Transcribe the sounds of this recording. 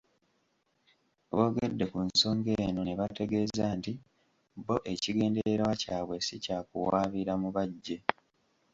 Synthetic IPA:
βo̞ːɡe̞dːe̞kunso̞ːŋɡe̞no̞neβate̞ɡe̞ːzaːnti | bo̞ʔe̞ciɡe̞ːnde̞ɾe̞ɾwacaːβwe̞sicaːkuwaːβiɾamuβaɟːe̞

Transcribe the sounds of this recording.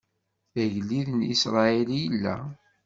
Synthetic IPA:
æʝlːiðnisɾˤɑilijəlːæ̰

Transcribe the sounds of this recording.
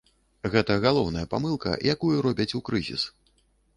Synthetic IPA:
ɣɛt̪ɐɣalˠɔwnɐjɐpamɨlˠkɐ̰jakujuɾɔbʲɐt͡sʲukɾɨzʲḭs

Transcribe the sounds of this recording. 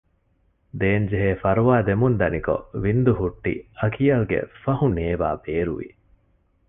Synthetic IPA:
d̪eːnd͡ʒeɦeːfɐɾuʋaːd̪emund̪ɐniko̰ʋind̪uɦuʈːḭɐkijɐlɡḛfɐhuneːʋa̰ːbeːɾuʋḭ

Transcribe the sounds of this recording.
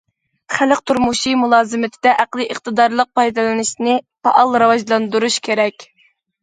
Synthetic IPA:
χælɪqt̪ʰuɾmuʃimulˠɑːzɨmɪt̪ʰɪd̪ɛʔæqlˠɨʔəχt̪ɨd̪ɑɾlˠəq̚pʰɑjd̪ɨlˠɨnɪʃnɪpʰɑ̰ʔɑlˠɾɑwɑʒlˠɑnd̪uɾuʃkʲʰeɾɛkʲ

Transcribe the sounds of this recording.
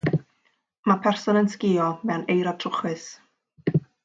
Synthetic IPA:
mapʰɛrsɔnənskɪːɔmɛwnejɾɔ̥tʰrʊχwɪs

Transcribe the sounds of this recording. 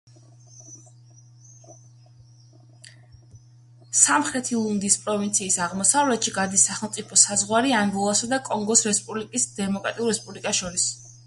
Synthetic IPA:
samχɾɛt̪ʰilˠund̪ispʼɾɔvint̪sʰiːsaʁmɔsavlɛt̪ʃiɡad̪isaχɛlˠt̪sʼipʰɔsazʁwaɾiambɔlˠasad̪akʼɔŋɡɔsɾɛspʼublikʼisd̪̥ɛmɔkʼɾat̪ʼiulˠɾɛspʼublikʼasʃɔɾis

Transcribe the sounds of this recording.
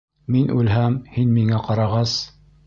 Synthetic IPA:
minʔʉlɦæmhinmiŋæqɑɾɑʁɑs

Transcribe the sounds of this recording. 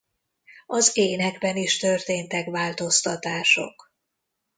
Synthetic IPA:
ɒzeːnɛɡbɛniʃt̪ørt̪eːnt̪ɛkvaːlt̪o̞st̪ɒt̪aːʃo̞̰k

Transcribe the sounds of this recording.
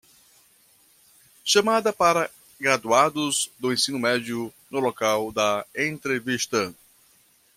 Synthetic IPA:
ʃɐmad̪ɐpaɾɐ | ɡɾad̪uad̪ʊzd̪ʊẽsĩnʊmɛd͡ʒjʊ | nʊlokawd̪ɐẽnt̪ɾeviʃt̪ɐ

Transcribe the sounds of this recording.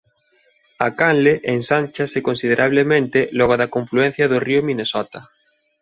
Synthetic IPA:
akanleʔensanʲt͡ʃasekonsið̞eɾaβ̞lemẽnt̪elɔɣ̞oðakõɱfluẽn̟θjaðoriomĩnesɔt̪a

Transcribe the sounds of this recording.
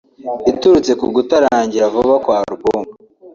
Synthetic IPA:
ituɾut͡se̞kuɡutaɾaːɲɟiɾavoβakwaːɾuɡoːmɡa

